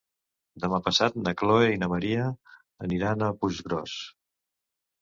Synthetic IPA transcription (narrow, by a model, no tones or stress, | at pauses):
d̪əmapəsat̪̚nəkloeinəməɾiəː | niɾanəpuʒɣɾɔ̰s